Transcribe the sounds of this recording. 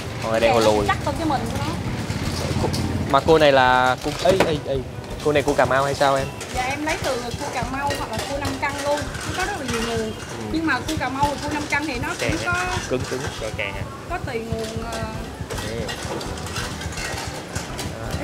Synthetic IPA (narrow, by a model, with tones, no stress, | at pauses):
ʔɔ˨˩˨ɗə˧˨jho˨˩lu˨˩əjt͡ɕa˦˥k̚t͡ɕkaː˨˦jmï˨˩ŋ̟ku˧nɔ̰˨˦˧ | ko˧maː˨˩ko˧na˨˩jlaː˨˩ko˧ʔə˨˧˦jʔə˧jʔə˧˩j | ko˧na˨˩jku˧kaː˨˩mːʔa˧whaː˧jsaː˧wʔɛ˧m | za̰ː˨˩ʔɛ˧mlə˨˦jt̪ɨ˨˩˨ko˧kaː˨˩mːa˧whwa˨˩k̚laː˨˩ko˧na˧mka˧ŋlu˧ənkɔ˨˦kɔ˨˦zə˦˥laː˨˩ɲi˨˩ŋu˨˩ən˩ | ɲɨ˧ŋmaː˨˩ko˧kaː˨˩ma˧wɨ˨˩t̪ʰə˧wna˧mka˧ŋh̪ʰi˨˩nɔ˨˦ka˨˩˧kɔ˨˦kɨ˨˦ŋkɨ˨˦ŋɔ˧˩kɛː˨˩ŋa˨˩ | kɔ˨˦t̪i˨˩ŋu˨˩ənəː˨˩ɛ˧˩˧ | ʔaː˨˩